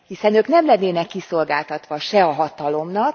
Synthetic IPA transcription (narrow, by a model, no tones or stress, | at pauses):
hisɛnøːknɛmlɛnːeːnɛkːiso̞lɡaːlt̪ɒt̪ʋɒʃɛɒɦɒt̪ɒlo̞mnɒk̚